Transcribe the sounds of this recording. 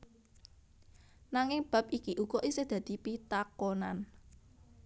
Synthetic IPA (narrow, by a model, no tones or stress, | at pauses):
naŋɪŋb̥ä̤p̚ikiʔuɡ̥ɔʔised̪̥ä̤d̪̥i̤pit̪akonan